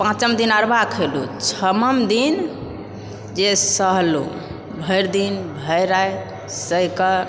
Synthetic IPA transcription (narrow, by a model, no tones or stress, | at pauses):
pãt͡ʃəmd̪inəɾbakʰelṵt͡ʃʰəməmd̪in | d͡ʒesəɦlṵ | bʱəjɾd̪inbʱəjɾaj | səjkə